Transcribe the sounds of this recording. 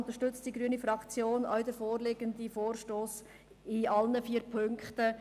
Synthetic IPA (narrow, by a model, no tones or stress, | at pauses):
nt̪əɾʃtʏt͡std̥iɡɾyənifɾɑkt͡sjoːnɔ̰ʊdəfoːɾleːɡəndifoːrʃtoːs | ɪɑlnəfiːəɾpʰøŋktə